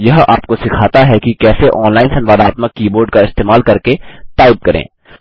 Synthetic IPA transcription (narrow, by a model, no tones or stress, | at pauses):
jɐɦa̰ːp̚kosɪkʰaːt̪aɦɛkikɛːseʔɔːnlaːɪnsɐnʋaːd̪aːt̪məkːiːboːɾɖkaɪst̪eːmaːlkɐɾket̪aːɪd̪̚kɐɾḛ̃ː